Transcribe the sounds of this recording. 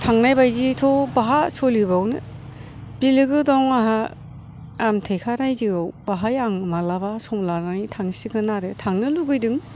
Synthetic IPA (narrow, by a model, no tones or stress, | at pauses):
tʰaŋnajbajzitʰɔbaɦasɔlibawnɯ | bilɯɡɯdɔŋaɦaː | mtʰejkʰaɾajziawbaɦajaŋmalabasɔŋlanajtʰaŋsiɡɯnaɾetʰaŋnɯluɡɯjdɯŋ